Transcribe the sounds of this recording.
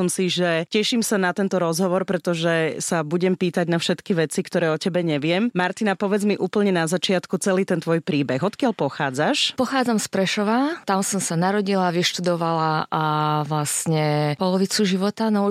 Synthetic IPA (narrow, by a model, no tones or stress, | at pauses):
ɔmsiʒɛcɛʃimsanat̪ɛnt̪ɔɾɔzɦɔʋɔɾpɾɛt̪ɔʒɛsabuɟɛmpiːt̪aɟnafʃɛt̪kiʋɛt͡sikt̪ɔɾɛːɔcɛbɛɲɛʋɪɛmmaɾt̪inapɔʋɛd͡zmiʔuːpl̩ɲɛnazat͡ʃɪat̪kut͡sɛliːt̪ɛnt̪ʋɔjpɾiːbɛɣɔt̪kɪaʎpɔxaːd͡zaʃpɔxaːd͡zamspɾɛʃɔʋat̪amsɔmsanaɾɔɟilaʋiʃt̪ud̪ɔʋalaʔaʋlasɲɛpɔlɔʋit͡suʒiʋɔt̪anɔ